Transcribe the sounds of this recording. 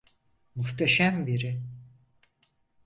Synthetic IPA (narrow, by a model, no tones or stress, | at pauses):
muxt̪ʰaʃambiɾɪ